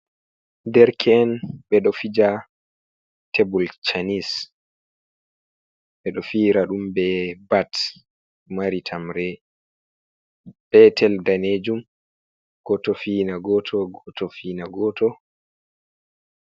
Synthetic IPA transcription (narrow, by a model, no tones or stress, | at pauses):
dɛɾkʰɛːnɓɛɗɔfid͡ʒa | tʰebult͡ʃanis | ɓɛɗɔfiːɾaɗumbɛbat | maɾitʰamɾɛ | b̥ɛtʰɛldaned͡ʒum | ɡ̥ɔtɔfinaɡɔtʰɔɡɔtɔfinaɡɔtɔ